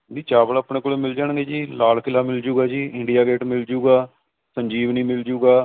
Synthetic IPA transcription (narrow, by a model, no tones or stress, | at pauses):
niːt͡ʃaːblaːpɳeːkoːleːmɪld͡ʒaːɳ̃ɡeːd͡ʒiːlaːlkʰɪlaːmɪld͡ʒuːɡaːd͡ʒiːʔɪ̃ɳɖijaːɡeːʈmɪld͡ʒuːɡaː | sə̃ɲd͡ʒiːʋnĩːmɪld͡ʒuːɡaː